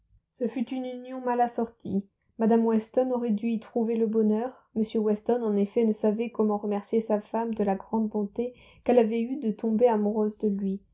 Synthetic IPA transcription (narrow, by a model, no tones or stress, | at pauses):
səfyt̪ynynjɔ̃malasɔʁt̪ʰḭ | mad̪amwɛst̪ɔnɔʁɛd̪yit̪χuveləbɔnœʁ | məsjəwɛst̪ɔnɑ̃nefɛnəsavɛkɔmɑ̃ʁəmɛʁsjesafamd̪əlaɡʁɑ̃d̪̚bɔ̃t̪e | kɛlavɛyd̪ət̪ɔ̃beamuʁøzd̪əlɥi